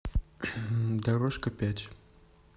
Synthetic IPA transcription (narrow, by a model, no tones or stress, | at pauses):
d̪ɐɾoʂkəpʲætʲ